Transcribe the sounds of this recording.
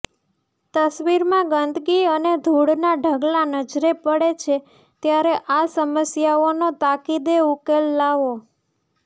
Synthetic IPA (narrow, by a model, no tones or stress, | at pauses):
t̪əsʋiɾmãɡənd̪ʱɡiəned̪ʱuɽnaɖʱəɡlanəd͡ʒɾepəɽet͡ʃʰe | t̪jaɾeʔasəməsjaonot̪akid̪eukelːaʋo